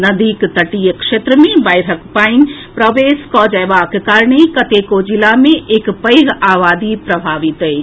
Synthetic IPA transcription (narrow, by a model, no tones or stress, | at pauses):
nɐd̪ikt̪ɐʈijəkʃet̪ɾəmẽbajɾəkpain | pɾəʋeːskɔːd͡ʒɐjʋakkaːɾɳekɐt̪ekod͡ʒilamẽʔeːkpəjɦaːʋaːd̪ipɾɐbʱaːʋit̪e